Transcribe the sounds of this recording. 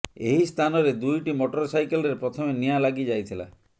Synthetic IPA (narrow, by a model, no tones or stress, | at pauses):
ḛɦist̪ʰanɔɾed̪ujʈimoʈɔɾɔsajkelɔɾeɾpɾɔt̪ʰɔmenijalaɡid͡ʒajt̪ʰila̰